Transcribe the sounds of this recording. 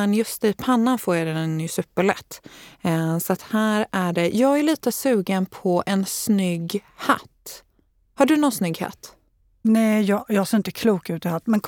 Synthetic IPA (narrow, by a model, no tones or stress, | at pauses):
ɛnjɵst̪ɪpʰanːanfoːɾjad̪ɛnɛnːysʉ̟ːpːəɭɛ̰t̪ː | sɔat̪hæːɾæɖɛjɑːɡæɭiːt̪əsʉ̟ːɡənpʰɔʔɛnsnʏɡha̰t̪ː | haɖɵnɔnsnʏɡha̰t̪ː | nɛjɑjɑːɡseːɾɪnt̪əkʰluːkʉ̟ːt̪ɪhat̪ːmɛnkʰ